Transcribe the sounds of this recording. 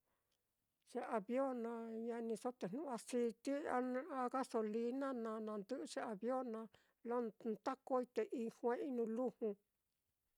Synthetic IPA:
ʐ̥e˧˦ʔa˧βjo˦nã˧ɲa˧nĩ˧so˦t̪e˨n̥nũ˦˨˦a˧si˧t̪i˦a˦ñ˧a˧ɣa˦so˧li˧nã˦nã˧nã˧nd̪ɨ˦ʔʂe˦a˨βjo˦nã˧ | lo˦nt̪a˦ko˦i˦˧t̪e˨ʔi˧hʷẽ˦i˦nũ˧lu˦hũ˧

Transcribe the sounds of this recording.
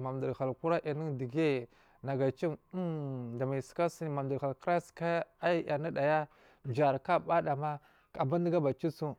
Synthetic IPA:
ma˨mdu˨ɾa˨lku˦ɾa˦ʔi˨ni˦di˨ɡe˦ | na˨ɡa˨t͡ʃi˦m˦da˨ma˨ska˦si˦ni˨ma˨m˨du˨ɾa˨lkɾa˦ska˦a˦ja˨na˦da˨ja˦ | d͡ʒa˨ɾka˦˨ba˦da˨ma˦ | ka˨ba˦n˦di˦ɡa˦ba˨t͡ʃi˦su˦

